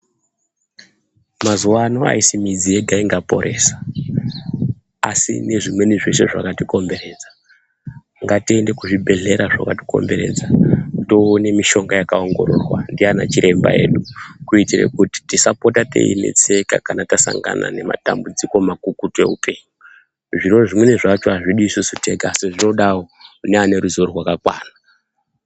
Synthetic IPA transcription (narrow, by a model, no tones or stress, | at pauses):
mazuwanoa̰isimid͡zieɡʱaiŋɡapo̞̰ɾʔe̞ːsḁ | a̰sḭne̞ʐimwe̞niʐe̞ʃe̞ʐa̰katiko̞mbe̞ɾe̞d͡za | ŋɡatiende̞kuʐibʱe̞ɮe̞ɾaʐakati̥ko̞̰mbe̞ɾe̞̰ːd͡zato̞ːne̞miʃo̞ŋɡajakaoŋɡo̞ɾo̞̰rwa̰ndiana̰t͡ʃiɾe̞mba̰eːɗukuitirḛkuti̥tisapo̞tate̞̰ḭnḛt͡seka̰kanatasa̰ŋɡa̰na̰ne̞ma̰ta̰mbud͡ziko̞makukutue̞̰upʰe̞ːɲu | ʐiroʐimwe̞niʐat͡ʃo̞ɦaʐiɗiːsusute̞ɡaasiʐino̞ɗawoneane̞ɾuzoɾorwakakwa̰ːna